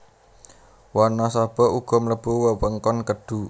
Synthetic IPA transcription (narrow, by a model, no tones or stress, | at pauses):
wɔnɔsab̥ɔ̤ʔuɡ̥ɔ̤mələb̥uwəwəŋkɔnkəɖ̥u